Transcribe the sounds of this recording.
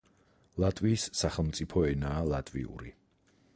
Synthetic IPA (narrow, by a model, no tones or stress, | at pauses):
lˠat̪ʼviːsːaχɛlˠmt̪sʼipʰɔɛnaːlˠat̪ʼvḭṵɾi